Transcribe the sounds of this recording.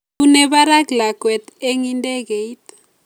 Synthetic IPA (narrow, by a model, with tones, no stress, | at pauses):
u˦nɛ˦βa˦ɾa˦ɡla˨kwɛ˨t̪e˦ŋi˦nde˦ɡe˨it